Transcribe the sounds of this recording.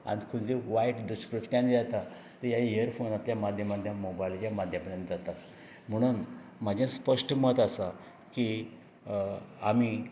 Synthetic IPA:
a̰ñikʰud͡ziʋaiʈd̪uɕkɾuft̪jãnid͡zat̪a | t̪əjaeəɾfonat̪ljamad̪ʱjəmad̪ʱjãmobajilt͡ɕjamad̪ʱjapəɾjə̃nd͡zat̪at̪ | m̤əɽ̃uːnm̤ad͡ʑẽspəʂʈəmət̪asa | ki | ami

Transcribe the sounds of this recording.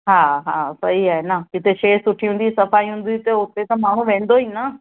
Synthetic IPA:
ɦaːɦaːsɐɦiaːɦenɐkɪt̪eʃeːsʊʈʰiũn̆d̪isɐfaːiɦũːn̆d̪it̪ɐʊt̪et̪ɐmaːɳ̤ũʋẽːn̆d̪oinɐ

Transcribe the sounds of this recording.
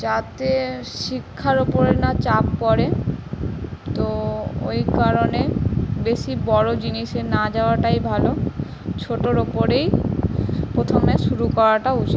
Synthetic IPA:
d͡ʑat̪eʃikʰːaɾopoɾenat͡ɕapːɔɾe | t̪oo̰jkaɾonebeʃibɔɽod͡ʑiniʃenad͡ʑaoaʈajbʱalo | t͡ɕʰoʈoɾopoɾej | pɾot̪ʰomeʃuɾukɔɾaʈaut͡ɕʰi

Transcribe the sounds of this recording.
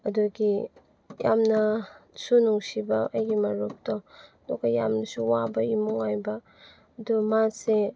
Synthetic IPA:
ɐduɡi | jamnɐsunuŋsibɐʔɐjɡimɐɾok̚tɔdɔkɐjamnɐsuwabɐimuŋajbɐː | dumase

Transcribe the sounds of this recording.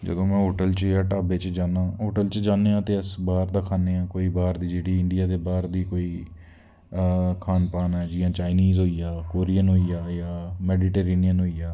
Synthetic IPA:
d͡ʒə̰d̪õːmɛ̃ːɦoːʈəlt͡ʃjaːʈaːbeːt͡ʃd͡ʒaːnãːɦoːʈəlt͡ʃd͡ʒaːneːãːt̪eːəsbaːɾd̪aːkʰaːneːãːkoːiːbaːɾd̪iːd͡ʒeːɽiːɪɳɖɪjaːd̪eːbaːɾd̪iːkoːiː | kʰaːnpaːnɛɛːd͡ʒɪjãːt͡ʃaːɪniːzɦoːiːaːkoːɾijənɦoːiːjaːjaːmɛːɖiːʈeːɾeːnijənɦoːijaː

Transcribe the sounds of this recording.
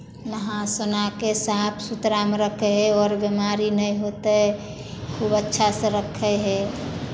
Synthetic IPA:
nəɦãsonakesapʰsut̪ɾamɾəkʰeɦɛɔːɾbemaɾinəj̃ɦot̪e | kʰubətːʃʰasə̃ɾəkʰəɦɛ

